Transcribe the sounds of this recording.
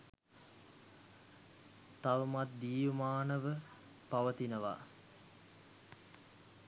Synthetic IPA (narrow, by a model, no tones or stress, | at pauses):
t̪aʋəmat̪̚d̪iːʋəmaːnəʋə | paʋət̪inəʋa̰